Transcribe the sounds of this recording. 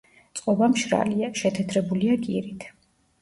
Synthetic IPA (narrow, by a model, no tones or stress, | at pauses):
t̪sʼqʼɔbamʃɾa̰liaʃɛt̪ʰɛt̪ʰɾɛbuliakʼiɾit̪ʰ